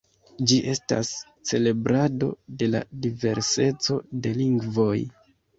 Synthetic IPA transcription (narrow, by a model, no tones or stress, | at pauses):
d͡ʒiʔe̞sta̰s | t͡se̞le̞bɾado̞de̞la̰dive̞ɾse̞t͡so̞de̞liŋɡvoj